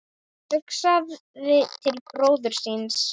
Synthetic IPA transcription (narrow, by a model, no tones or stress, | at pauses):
hʏksað | ðɪt̪ʰɪlkɾoːwðʏɾ̥sins